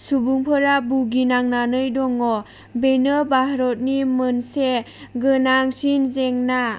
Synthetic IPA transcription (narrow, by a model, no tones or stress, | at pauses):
subuŋpʰɯɾabuɡinaŋnanɯjdɔŋɔ | benɯbaɦɾɔt̚nimɯnse | ɡɯnaŋsinzeŋna